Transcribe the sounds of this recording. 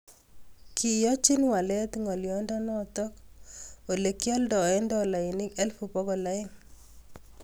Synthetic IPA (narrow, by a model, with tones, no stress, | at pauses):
kʰi˨jɔ˦t͡ʃi˦nwa˨lɛ˦t̪ŋɔ˨ljɔ˨ndɔ˦nɔ˦t̪ɔ˦k | o˨le˨kjɔ˦ldɔ˨ɛ˦ndɔ˦˨la˨i˨nɪ˦kɛ˦lfu˨pɔ˦ɡɔ˨la˦ɪ˦ŋ